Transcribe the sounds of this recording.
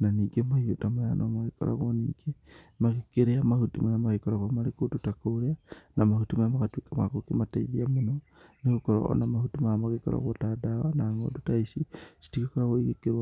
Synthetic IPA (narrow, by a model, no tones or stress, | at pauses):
naniːɡemaiotamajanʔomaɣiko̰ɾa̰ɣonḭːɡemaɣikeɾeamahutimanamaɣikoɾaɣamaɾikotutakoɾeanamahutimaamakatwikama̰kokimataiðiamono | neɣukoɾo̰namahutimaamaɣeko̰ɾa̰ɣotadawanaŋo̰dutaisisi̥tikikoɾaɣoiɣikeɾwa